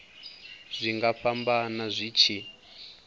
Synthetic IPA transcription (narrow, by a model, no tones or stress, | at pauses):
z̥ʷiŋɡaɸambanazʷit͡ʃʰi